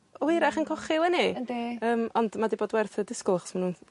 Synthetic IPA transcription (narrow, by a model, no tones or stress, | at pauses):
ɪɾaχənkʰɔχɪlˠənidiəːmɔndmadiboːdwɛrθədɪskʊlˠaχɔ̥smanuːn